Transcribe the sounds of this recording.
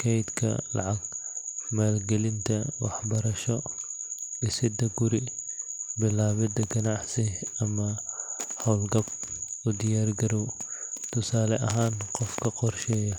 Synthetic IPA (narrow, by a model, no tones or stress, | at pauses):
kʰɛjd̪kʰɐ̰lɑ̰ʕɑɡ̚maːlɡɛlɪnt̪ʰɐwɑħbɐɾɐʃɔ | ɪsɪd̪ɐɡʊɾi | bɪlaːβɪd̪ɐɡɐnɑʕsɪɐmɐhɐwlɡɐbʊd̪ɪjaːrɡɐɾɔwt̪ʰʊsaːlɛʔɐɦaːnqɔfkʰɐqɔrʃɛːjɐ